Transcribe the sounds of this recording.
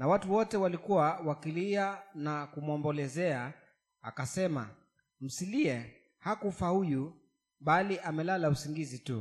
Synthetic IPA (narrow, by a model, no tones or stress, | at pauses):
nawatuwɔtɛwalikuwawakilianakumwɔmbɔlɛzɛa | a̰kasɛma̰ | m̩siliɛ | hakufahuju | ɓaliʔamɛlalausiŋɡizitu